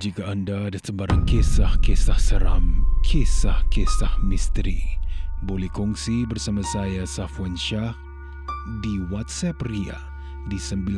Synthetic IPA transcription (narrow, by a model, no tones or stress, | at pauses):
d͡ʒikaːndaːdasəbaɾaŋkesahkesahsəɾa̰mkʰesahkesahmist̪ɾḭbolɛhkɔŋsibərsamasajasafwanʃah | diwat̪̚sɛpria̰ | disəmbil